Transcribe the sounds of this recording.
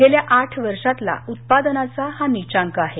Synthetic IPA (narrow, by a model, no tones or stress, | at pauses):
ɡeljaʔaʈʰʋəɾʂat̪la̰ut̪̚pad̪ənat͡sahanit͡ɕãŋkəaɦe